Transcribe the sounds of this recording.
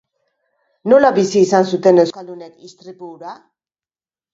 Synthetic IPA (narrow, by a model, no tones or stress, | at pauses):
no̞laβisiːsansut̪e̞ne̞wskald̪unekist̪ɾipuɾa